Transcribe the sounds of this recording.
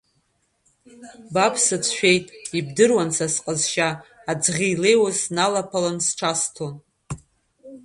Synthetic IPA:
bapʰsɨt͡sʷʰʃᶣe̞jtʼib̚dɨrwant͡sʰasqʼəzʃaːd͡zʁʲijle̞jwasnalapʰalansʈ͡ʂʰastʰon

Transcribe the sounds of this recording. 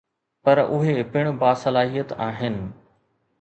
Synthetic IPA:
pɐɾʊɦepɪɽ̃ʊbaːsɐlaːɦijət̪aːɦɪnɪ̆

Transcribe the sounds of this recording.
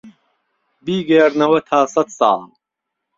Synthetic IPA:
biːɡeːɾnɐwɐt̪ʰaːsɐt̪sa̰ːl

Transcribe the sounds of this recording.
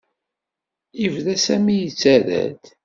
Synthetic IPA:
ivðæsæmijət͡sːæɾæ̰d̪

